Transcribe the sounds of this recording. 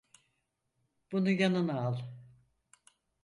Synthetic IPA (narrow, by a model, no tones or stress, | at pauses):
b̥unujanɯnaalˠ